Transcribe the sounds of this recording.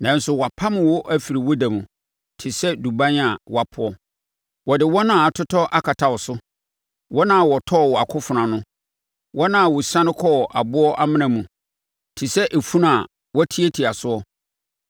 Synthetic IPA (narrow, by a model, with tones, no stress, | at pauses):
nã˨n˦sʊ˨wa˨pʰa˦mɪ̃˨wʊ˦ʔæ˦fi˨ɾi˨wɔ˦da˨mũ˨ | tʰɪ˨sɛ˦du˨bã˦n˦a˨wʔa˨pʰʊ˦ɔ˦ | wɔ˨dɪ˨wɔ˦nãː˦˨a˨tʰʊ˦tʰɔ˦ʔa˦kʰa˨tʰa˨wɔ˨sʊ˦ | wʔɔ˦nã˦˨wɔ˨tʰɔ˦˨wɔ˨a˨kʰʊ˦fʊ˨nã˨nʊ̃˦ | wɔ˦nã˦˨wʊ˨sã˦nɪ̃˦kʰɔ˦˨ʔa̰˨bʊ˦ɔ˦ʔa˦mɪ̃˦nã˨mũ˨ | tʰɪ˨sɛ˦ʔe˨fũ˦n˦a˨ | wɔ˦tʰi˦e˦tʰi˨a˨sʊ˦ɔ˦